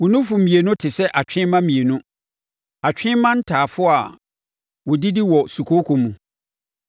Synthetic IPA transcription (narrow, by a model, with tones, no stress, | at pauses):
wʊ˨nʊ̃˦fu˨m̩˨mĩ˨e˨nʊ̃˦tʰɪ˨sɛ˦ʔa˨t͡ɕᶣɪ̃˦mã˦mĩ˨e˨nʊ̃˦ | a˨t͡ɕᶣɪ̃˦mã˦n̩˦tʰaː˨fʊ˦a˨ | wʊ˨di˦di˦wɔ˨su˨kʰo˦kʰu˨mũ˨